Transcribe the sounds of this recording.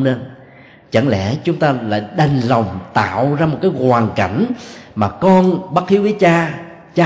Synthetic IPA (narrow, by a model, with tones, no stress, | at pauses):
ne˧n | t͡ɕə̰˧˩nlɛ˧˩˥t͡ɕʊ˨˦ŋ͡mt̪aː˧la̰ː˧˨jɗa˧˩nlə˨˩wŋ͡mt̪a̰ː˧˨wzaː˧mo˨˩t̚kaː˨˦jkwaː˨˩ŋka˧˩jŋ̟maː˨˩kɔ˧nɓa˦˥t̚xʰi˨˦wvəː˨˦jt͡ɕaː˧ | t͡ɕaː˧